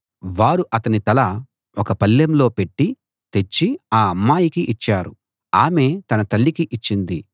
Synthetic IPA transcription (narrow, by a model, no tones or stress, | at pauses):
ʋaːɾuʔɐt̪ɐnit̪ɐlɐ | ɔkɐpɐlːjɐmlo̞ːpe̞ʈːi | t̪e̞t͡ʃːiaːɐmːaːjikiʔit͡ʃːaːɾu | aːme̞ːt̪ɐnɐt̪ɐlːikiʔit͡ʃːind̪i